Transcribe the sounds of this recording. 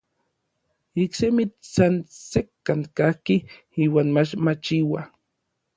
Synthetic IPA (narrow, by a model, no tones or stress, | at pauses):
iksemit̪sansekːaŋkahki | iːwaːnmat͡ʃmat͡ʃiwa